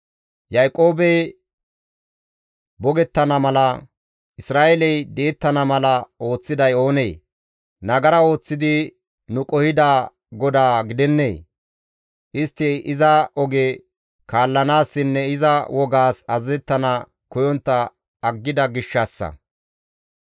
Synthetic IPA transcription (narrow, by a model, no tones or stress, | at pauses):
jɐjkʼo̞ːbɛj | bɔɡɛt̪ːɐnɐmɐlɐ | ʔɪsɾaːʔelɛjd̪e̞ːt̪ːɐnɐmɐlɐo̞ːt͡sːɪd̪ɐjo̞ːneː | nɐɡɐɾɐo̞ːt͡sːɪd̪ɪ | nʊkʼɔhɪd̪aː | ɡɔd̪aːɡɪd̪ɛnːḛː | ʔɪst̪ːɛʔɪzɐɔɡe | kaːlːɐnaːsːɪnːɛɪzɐwɔɡaːsɐzːɛt̪ːɐnɐ | kɔjɔnt̪ːɐ | ɐɡːɪd̪ɐɡɪʃːɐsːɐ̰